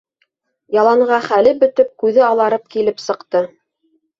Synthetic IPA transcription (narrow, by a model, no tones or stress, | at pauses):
jɑlˠɑɴʁɑχælɘpbɵ̆t̪ɘp̚kʉðɘɑlˠɑɾɤp̚kilɘpsɤ̆qt̪ɤ